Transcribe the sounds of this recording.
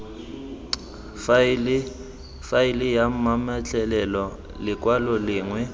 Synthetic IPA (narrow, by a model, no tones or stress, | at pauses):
flɪ | faɪlɪjam̩mamat͡ɬʼɛlɛlɔ | lɪkʼwalɔlɪːŋwɛ